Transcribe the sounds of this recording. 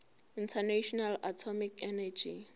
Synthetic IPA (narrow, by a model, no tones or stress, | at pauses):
intʰanaʃɔnalatʰɔmikɛnad͡ʒi